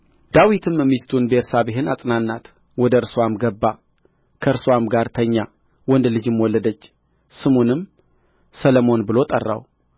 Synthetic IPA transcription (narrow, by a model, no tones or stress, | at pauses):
d̪̥awit̪ʰɨmɛmːist̪ʰunbeɾsabɪɦɪnasʼnanːat̪ | wɔd̪əɨɾswamɡəbːa | kʰəɾswamɡaɾt̪ʰəɲːa | wɔnd̪lɨd͡ʒɨmwɔlːəd̪ət͡ʃː | sɨmonɨm | sələmo̞nbɨlo̞t̪ʼə̰rːa̰w